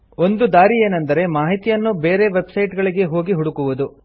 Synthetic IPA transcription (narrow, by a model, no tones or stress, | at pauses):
o̞nd̪ud̪aːɾije̞ːnɐnd̪ɐɾe̞maːɦit̪ijɐnːube̞ːɾe̞ʋe̞bsɐjʈɡɐɭiɡe̞ɦo̞ːɡiɦuɽukuʋud̪u